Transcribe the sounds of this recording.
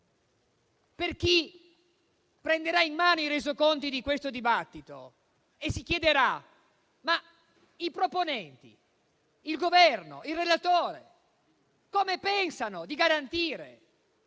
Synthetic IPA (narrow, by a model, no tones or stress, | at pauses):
perk̟i | pɾend̪eɾainːaːnoiɾezokont̪id̪ikwest̪od̪ibat̪ːit̪o̰ | esːik̟jɛd̪eɾa | ma | ipɾoponɛnt̪ḭ | ilɡovɛrno̰ilrelat̪oːɾḛ | komepɛnsanod̪iɡaɾant̪iːɾḛ